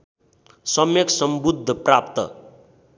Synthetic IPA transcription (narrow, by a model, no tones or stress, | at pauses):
sʌmjʌksʌmbud̪ʱːʌprap̚t̪ʌ̰